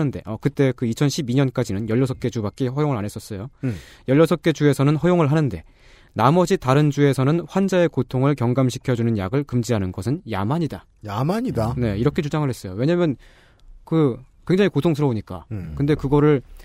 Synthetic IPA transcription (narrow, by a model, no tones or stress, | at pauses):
nɯnde̞ʌkɯt͈e̞kɯit͡ɕʰʌnɕʰibiɲʌnk͈ad͡ʑinɯnjʌʎːʌs̬ʰʌp̚k͈e̞d͡ʑubak͈ihʌjoŋɯɭane̞s͈ʌs͈ʌjojʌʎːʌsʰʌp̚k͈e̞d͡ʑue̞sʰʌnɯnɸʌjoŋɯɭɦanɯnde̞ | namʌd͡ʑitaɾɯnd͡ʑue̞sʰʌnɯnɸwand͡ʑae̞kotʰoŋɯɭkjʌŋɡamɕʰi̥kʰjʌd͡ʑunɯnja̰ɡɯɭkɯmd͡ʑiɦanɯnɡʌsʰɯnja̰maɲida | jamaɲidane̞iɾʌkʰe̞t͡ɕud͡ʑaŋɯɭhe̞s͈ʌjowe̞ɲamjʌn | kɯ | kwe̞ŋd͡ʑaŋikotʰoŋs̬ʰɯɾʌoɲik͈a̰kɯnde̞kɯɡʌɾɯɭ